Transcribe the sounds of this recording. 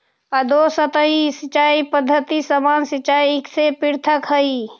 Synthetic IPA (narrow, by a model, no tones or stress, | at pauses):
ad̪osət̪əisit͡ʃaipəd̪ʱːət̪isəmansit͡ʃaieksepiɾt̪ʰəkɦəi